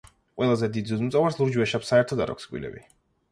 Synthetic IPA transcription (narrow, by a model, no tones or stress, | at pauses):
qʼwʔɛlˠazɛd̪id̪zuzmʼɔvaɾslˠuɾd͡ʒwɛʃapsaɛɾt̪ʰɔd̪a̰ɾɔ̰kskʼwḭlɛ̰bḭ